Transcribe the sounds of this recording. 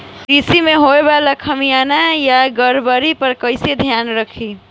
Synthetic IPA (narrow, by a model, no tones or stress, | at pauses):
kɾisimeɦoebaləkʰəmijanajaɡəɾbəɾipəɾkəɪsed̪ʱjanɾəkʰi